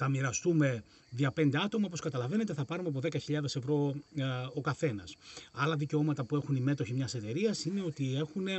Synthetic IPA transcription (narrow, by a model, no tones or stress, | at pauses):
θɐmiɾɐst̪ume̞ | ðiɐpe̞nd̪e̞ɐt̪o̞mɐopo̞skɐt̪ɐlɐvenet̪̬eθɐpɐɾumeɐp̬o̞ðe̞kɐçiʎɐðe̞se̞vɾo̞ | okɐθe̞nɐsɐlɐðice̞o̞mɐt̪ɐpue̞xunime̞t̪o̞çimɲɐse̞t̪e̞ɾiɐsine̞o̞t̪ie̞xune̞